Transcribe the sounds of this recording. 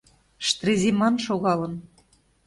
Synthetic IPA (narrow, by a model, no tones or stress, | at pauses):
ʃt̪rezimɑnʃoɣɑlə̆n